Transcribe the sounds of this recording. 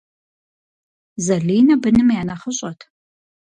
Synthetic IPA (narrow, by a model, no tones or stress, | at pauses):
zɐɮiːnɐbɨnɨmjaːnɐχəɕʼɐtʰ